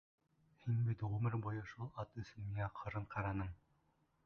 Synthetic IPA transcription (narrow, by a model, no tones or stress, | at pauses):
hinbit̪ʁʉmɘɾbujɤʃulˠɑt̪ɵ̆sɘ̆miæqʰɤ̆ɾɤɴqʰɑɾɑnɤm